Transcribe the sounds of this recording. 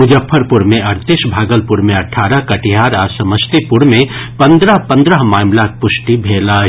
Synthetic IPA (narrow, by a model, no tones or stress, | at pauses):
mʊd͡ʒəpʰːəɾpʊɾmẽɐɾt̪ɪʃbʱaːɡəlpʊɾmẽɐʈʰːaːɾəɦkɐʈiɦaːɾaːsɐməst̪ipʊɾmẽpɐ̃nd̪ɾəɦpɐ̃nd̪ɾəɦmaːmlak̚pʊʃʈibʱeːlaː